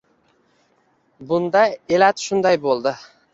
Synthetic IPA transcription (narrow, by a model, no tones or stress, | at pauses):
bʊnd̪aelat̪ʃʊnd̪ajbolˠd̪ɪ